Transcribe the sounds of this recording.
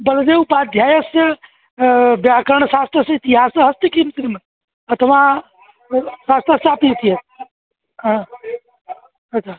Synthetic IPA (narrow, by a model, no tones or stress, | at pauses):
bəld̪eupad̪ʱjaːjəsjɐ | bjakəɾɳsast̪ʰɾəsit̪iɦasɦɐst̪ikimsɾimən | ət̪əʋã | sast̪ʰəsapit̪ʰiɦet̪̚ | ɦã | ətːt͡ʃʰa